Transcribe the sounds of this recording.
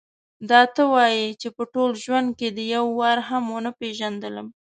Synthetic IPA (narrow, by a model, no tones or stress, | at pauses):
d̪ɑt̪əwɑjit͡ʃepəʈolʒwand̪̚ked̪əjawːɑɾɦamonəpeʒand̪ələm